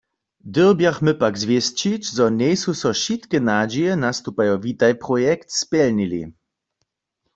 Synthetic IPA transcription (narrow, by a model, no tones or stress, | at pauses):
d̪əʁbjaxmɨpakzvjɛst͡ʃit͡ɕzɔɲɛjsusɔʃit̪kɛnad͡ʒɛjɛnast̪upajovit̪ajpʁɔjɛkt̪spɛlnilḭ